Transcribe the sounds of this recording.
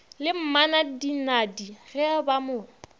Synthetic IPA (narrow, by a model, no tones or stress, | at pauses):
lɪm̩manadinadirɛabamʊː